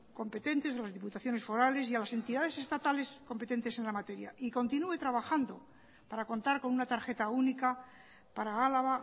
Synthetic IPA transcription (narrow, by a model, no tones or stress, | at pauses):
ko̞mpe̞t̪e̞nt̪e̞salazðiput̪aθjo̞ne̞sfo̞ɾale̞sialase̞nt̪iðaðe̞se̞st̪at̪ale̞sko̞mpe̞t̪e̞nt̪e̞se̞nlamat̪e̞ɾja̰iko̞nt̪inue̞t̪ɾaβaxand̪o̞ | paɾako̞nt̪aɾko̞nunat̪aɾxe̞t̪aunika | paɾaɣalaβa